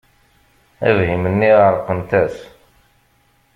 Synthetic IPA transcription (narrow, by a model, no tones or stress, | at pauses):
æ̰vhimənːiəɾˤqənt̪æs